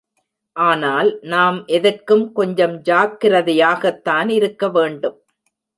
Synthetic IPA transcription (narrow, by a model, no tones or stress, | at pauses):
ʔaːnaːlnaːmʔɛðɐrkɯmkɔɲd͡ʒɐmd͡ʒaːkːɪrɐðɐjaːɣɐt̪ːaːnɪɾɯkːɐʋeːɳɖɯm